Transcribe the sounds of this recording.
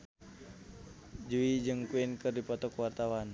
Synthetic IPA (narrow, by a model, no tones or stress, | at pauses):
d͡ʒuid͡ʒɨŋkuinkɨrdipɔt̪ɔkwart̪awan